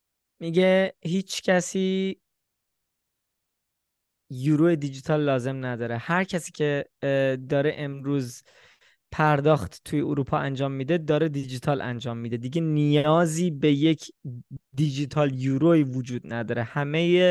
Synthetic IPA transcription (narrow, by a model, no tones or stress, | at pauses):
miɟehiːt͡ʃcʰæsiː | juːɾoed̪id͡ʒit̪ʰɒːlːɒːze̞mnæd̪ɒːɾehæɾcʰæsiːcʲʰe̞ | d̪ɒːɾeʔemɾuːz | pʰæɾd̪ɒːxt̪t̪ʰːujeuɾuːpʰɒːʔænd͡ʒɒːmːid̪ed̪ɒːɾed̪id͡ʒit̪ʰɒːlʔæ̰nd͡ʒɒːmːid̪e̞d̪iɟenijɒːziːbejecʰd̪id͡ʒit̪ʰɒːljuɾovod͡ʒuːd̪̚næd̪ɒːɾehæmeje